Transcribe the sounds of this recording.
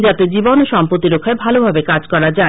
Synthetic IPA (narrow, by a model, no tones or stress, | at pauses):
d͡ʑat̪ed͡ʑibonoʃɔmpɾot̪ːiɾokʰːaebʱalobʱabekad͡ʑkɔɾad͡ʑae